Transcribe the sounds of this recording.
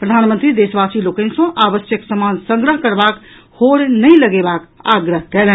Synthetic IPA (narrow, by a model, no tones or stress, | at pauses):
pɾəd̪ʱanmə̃nt̪ɾid̪esbasilokẽnsõʔabəsjəksəmansə̃ŋɡɾəɦkəɾbak | hoɾnəiləɡebaka̰ɡɾəɦkɛlɛ̃